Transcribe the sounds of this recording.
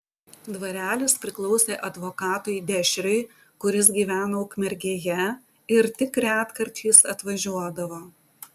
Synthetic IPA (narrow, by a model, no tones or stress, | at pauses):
d̪ʋɐɾʲæːlʲɪspʲɾʲɪklˠɒʊsʲeːʔɐd̪ʋoːkɑːt̪ʊɪd̪ʲɛʃʲɾʲɛɪ | kʊɾʲɪs̬ɡʲiːʋʲæːnoʊkmʲɛɾʲɡʲeːjɛ | ɪɾt̪ʲɪkɾʲæːt̪kɐɾʲt̪ʲʰiːsɐt̪ʋɐʒʲuɔd̪ɐʋoː